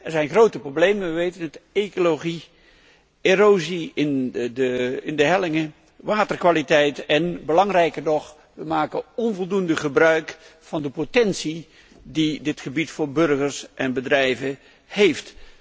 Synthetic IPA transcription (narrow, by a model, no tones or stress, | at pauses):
ɛɹzɛjnχrowtəproblejməʋəʋejtənətekoloχi | erowziɪndəɪndəɦɛlɪŋə | ʋaːtərkʋaːlitɛjtɛnbəlɑŋrɛjkəɹnɔχ | ʋəmaːkəɔnvɔlˠdundəχəbrœɥkfɑndəpotɛnsi | didɪtχəbitfʊːɹbɵrχəɹsʔɛnbədrɛjvə | hejft